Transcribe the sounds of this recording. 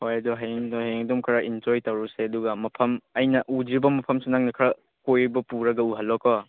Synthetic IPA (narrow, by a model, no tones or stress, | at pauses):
hojɐdɔɦaŋdɔheŋdumkʰɾɐʔind͡ʒojtɐwɾuseɐduɡɐmɐpʰɐmɐjnɐʔudibɐmɐpʰɐmsenaŋnɐkʰɾɐ | kojbɐpuɾɐɡɐuɦɐlːɔkɔ